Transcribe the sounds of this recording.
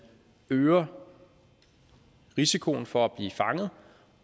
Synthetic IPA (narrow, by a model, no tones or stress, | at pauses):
øːɐ | ʁisikʰo̝n̩fɒ̽æb̥lḭːfɑ̈ŋð̩ˠ